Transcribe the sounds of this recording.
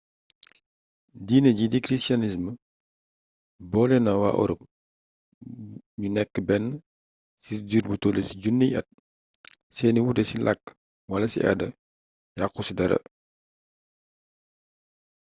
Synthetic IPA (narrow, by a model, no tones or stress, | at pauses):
diːnəɟidikɾistanis̬mə | bɔːlɛnɐwa̰ʔɔ̰ɾɔ̰p̚ | ɲunɛkːəbɛnː | sid͡ʒiɾbutoːlesiɟunːijɐ̰t̚ | sɛːniwudɛsilakː | wɐlɐsḭʔɐ̰dɐ | jakːusidɐɾɐ̰